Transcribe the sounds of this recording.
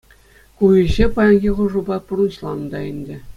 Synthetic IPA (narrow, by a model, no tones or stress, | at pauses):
kujĭʑepɑjɑnɡʲiʁuʐubɑpurunɕlˠɑnd̪ɑɘ̆nʲdʲɘ̆